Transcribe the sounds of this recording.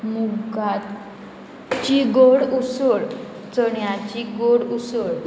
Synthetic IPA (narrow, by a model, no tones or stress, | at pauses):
muɡat̪ | t͡ɕiɡoɽusəɽ | t͡səɳjat͡ɕiɡoɽusəɽ